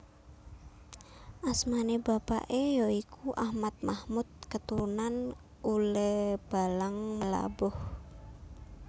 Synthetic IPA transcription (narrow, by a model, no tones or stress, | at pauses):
ʔasmanebapa̰ʔejoikʰuʔahmat̪̚mahmut̪̚kət̪uɾunan | uləb̥alaŋməla̰bɔh